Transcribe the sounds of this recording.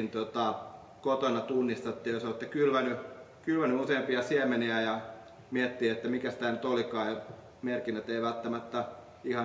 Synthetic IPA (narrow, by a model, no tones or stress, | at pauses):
nt̪ot̪ɑ | kot̪onɑt̪unːist̪ɑt̪ːiːjosɑet̪ːækylʋænykylʋænyuseːmpiɑsiɛmeniæjɑ | miæt̪ːiːet̪ːæmikæst̪æːnyt̪olikɑːjo | merkinːæt̪eiʋælt̪ːæmæt̪ːæ | ihɑ